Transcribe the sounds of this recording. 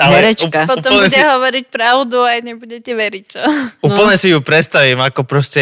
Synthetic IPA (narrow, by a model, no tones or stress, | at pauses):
alɛɾɛapɔtup̪ɔm̩ɲuɛdɛɦɔʋɔɾic̚pɾaʊd̪uajɲɛbuɟɛcɛʋɛɾic̚t͡ʃɔupl̩ɲɛsijupɾɛt̪st̪aʋiːmakɔpɾɔscɛ